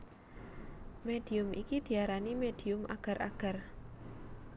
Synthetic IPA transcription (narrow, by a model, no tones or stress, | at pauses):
med̥i̤ʊmikid̪̥i̤aɾanimed̥i̤ʊma̰ɡ̥a̤ɾʔa̰ɡ̥a̤r